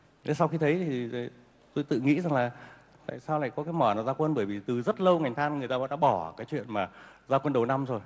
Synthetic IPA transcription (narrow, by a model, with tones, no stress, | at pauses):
e˨˦sa˧wxi˧t̪ʰə˨˦jt̪ʰi˨˩˨ | t̪o˧jt̪ɨ̰˧˨ŋḭ˧˥za˨˩ŋlaː˨˩ | t̪a̰ː˧˨jsaː˧wla̰ː˧˨jkɔ˨˦kaː˨˦jmɔ˧˩na˨˩zaː˧kwə˧nɓəː˧˩jvi˨˩t̪ɨ˨˩zə˦˥t̚lə˧wŋa˨˩jŋ̟t̪ʰaː˧nŋɨ˨˩ət̪aː˧vɔ̰˧˥ɗa̰ː˧˥ɓɔ˧˩kaː˨˦jt͡ɕwḭ˧˨ənmaː˨˩ | zaː˧kwə˧nɗə˨˩wna˧mzo˨˩j